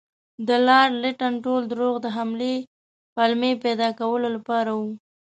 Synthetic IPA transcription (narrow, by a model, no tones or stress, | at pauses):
d̪əlɑɾlɪʈanʈold̪ɾoɣd̪əɦamle | palmeped̪ɑkawəlolapɑɾawu